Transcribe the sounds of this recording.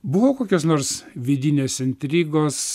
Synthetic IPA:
bʊʋoːkoːkʲoːsnoːɾsʋʲɪd̪ʲɪnʲeːsɪnʲt̪ʲɾʲiːɡoːs

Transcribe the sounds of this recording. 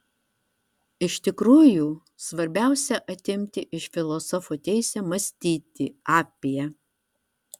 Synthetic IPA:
ɪʃt̪ʲɪkɾuːjuː | sʋɐɾʲbʲæˑʊsʲɛʔɐt̪ʲɪmʲt̪ʲɪʔɪʃfʲɪlˠɔsɔfut̪ʲɛɪsʲɛmɐsʲt̪ʲiːt̪ʲɪɑːpʲijɛ

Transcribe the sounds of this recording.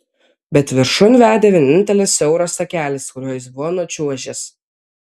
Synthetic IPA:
bʲɛt̪ʋʲɪɾʃʊnʋʲæːd̪ʲeːʋʲiɛnʲɪnʲt̪ʲɛlʲɪsʲɛʊɾoːsɐkʲæːlʲɪskʊɾʲuɔːjɪs̬bʊʋoːnuɔt͡ʃʲuɔʒʲɛs

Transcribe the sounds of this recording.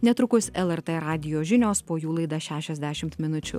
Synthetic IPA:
nʲɛt̪ɾʊkʊsʲɛlˠɛɾt̪eɾɑːd̪ʲɪjoːʒʲɪnʲoːspoːjuːlˠɐɪd̪ɑʃʲæːʃʲɛzʲd̪ʲæːʃʲɪmt̪mʲɪnʊt͡ʃʲʊ̰

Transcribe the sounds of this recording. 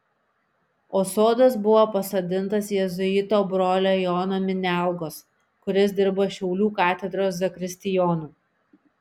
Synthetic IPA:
oːsoːd̪ɐs̬bʊʋoːpɐsod̪ʲɪnt̪ɐsjɛzʊɪt̪oːbɾoːlʲoːjɔːnoːmʲɪnʲæˑlˠɡoːs | kʊɾʲɪs̬ʲd̪ʲɪɾbɐʃʲɛʊlʲuːkɑːt̪ʲɛd̪ɾoːs̬zɐkɾʲɪsʲt̪ʲɪjɔːnuː

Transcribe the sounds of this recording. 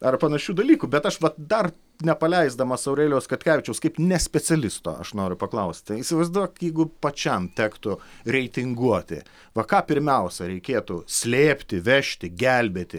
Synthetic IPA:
ɐrpɐnɐʃʲuːd̪ɐlʲiːkuːbʲɛt̪ɐʃʋɐtd̪ɐr | nʲɛpɐlʲɛɪzd̪ɐmɐsɐʊɾeːlʲɛʊskɐt̪ʲkʲæːʋʲɪt͡ʃʲɛʊskɐɪpnʲɛsʲpʲɛt͡sʲɛlʲɪst̪o̰ːɐ̰ʃnoːɾʲʊpɐklˠɐʊsʲt̪ʲiːsʲɪʋɐɪzd̪uːjɛjɛɪɡʊpɐt͡ʃʲɛmt̪ʲæːkt̪ʊɾʲɛɪt̪ʲɪŋɡuɔt̪ʲɪ̰ | ʋɐkɑːpʲɪɾʲmʲɛʊsʲɛɾʲɛɪkʲeːt̪usʲlʲeːpʲt̪ʲɪʋʲɛʃʲt̪ʲɪɡʲælʲbʲeːt̪ʲɪ

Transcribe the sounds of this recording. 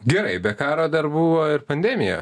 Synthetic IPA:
ɡʲɛɾɐɪbʲɛkɑːɾoːd̪ɐɾbuːʋoːɪɾpɐnʲd̪ʲɛːmʲɪjo̰ː

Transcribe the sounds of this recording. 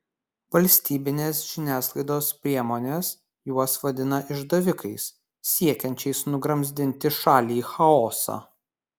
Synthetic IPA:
ʋɐlʲsʲt̪ʲiːbʲɪnʲeːsʒ̥ʲɪnʲæːslˠɐɪd̪oːspʲɾʲiɛmoːnʲeːs | juɔsʋɐd̪ʲɪnɐʔɪʒd̪ɐʋʲɪkɐɪsːʲ | iɛkʲɛnʲt͡ʃʲɛɪsnʊɡɾɐmʲzʲd̪ʲɪnʲt̪ʲɪʃɑːlʲiːxɐɔːsɑ̰ː

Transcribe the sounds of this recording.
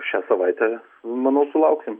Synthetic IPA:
ʃʲæsɐʋɐɪt̪ʲɛ | mɐnɐʊsʊlˠɐʊksʲɪm

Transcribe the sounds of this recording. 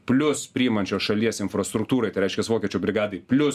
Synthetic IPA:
pʲlʲʊspʲɾʲiːɪmɐnʲt͡ʃʲoːsʃɐlʲiɛsɪnfɾɐst̪ɾʊk̚t̪uːɾɐɪt̪ɐɪɾɛɪʃkʲɛsʋoːkʲɛt͡ʃʲuːbʲɾʲɪɡɑːd̪ɐɪpʲlʲʊs

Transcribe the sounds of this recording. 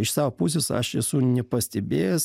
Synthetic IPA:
ɪʃsɑːʋoːpus̬ʲesɐ̰ʃɛsunʲɛpɐsʲt̪ʲɛbʲeːjɛs

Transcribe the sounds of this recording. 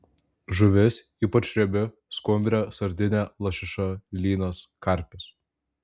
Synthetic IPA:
ʒʊʋʲɪs | iːpɐt͡ʃʲɾʲɛbʲɪ | skʊmʲbʲɾʲɛsɐɾʲd̪ʲɪnʲælˠɐʃʲɪʃɐlʲiːnɐskɐɾʲpʲɪsʲ

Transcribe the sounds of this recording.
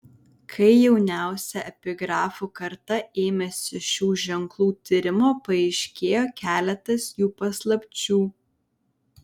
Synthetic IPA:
kʰɐɪjɛʊnʲæˑʊsʲɛɛpʲɪɡɾɑːfukɐɾt̪ɐeːmʲɛsʲɪʃʲuːʒʲɛŋklˠuːt̪ʲɪɾʲɪmoːpɐɛɪʃʲkʲeːjoːkʲæːlʲɛt̪ɐsjuːpɐslˠɐpʲt͡ʃʲuː

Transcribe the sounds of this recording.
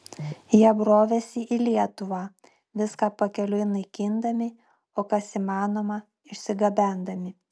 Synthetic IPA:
jɛbɾoːʋʲɛsʲɪʔilʲiɛt̪ʊʋɑː | ʋʲɪskɑːpɐkʲɛlʲʊɪnɐɪkʲiːnd̪ɐmʲɪ | oːkɐsiːmɑːnoːmɐ | ɪʃʲsʲɪɡɐbʲæˑnd̪ɐmʲɪ

